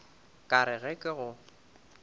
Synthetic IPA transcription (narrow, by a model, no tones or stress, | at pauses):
kʼaɾɪɣɛkʼɪɣʊ